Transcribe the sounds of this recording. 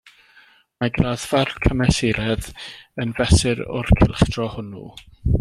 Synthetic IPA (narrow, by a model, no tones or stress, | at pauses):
maɡraːðvarkʰəmɛsɪɾɛðənvɛsɨɾʊ̰rkʰɪ̰lˠχd̥rɔhʊnṵ